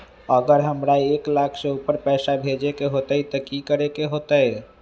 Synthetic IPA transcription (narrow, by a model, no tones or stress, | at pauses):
əɡəɾɦəmɾaeklakʰsẽupəɾpɛɪsabʱed͡ʒekeɦot̪əjt̪əkikəɾekeɦot̪əj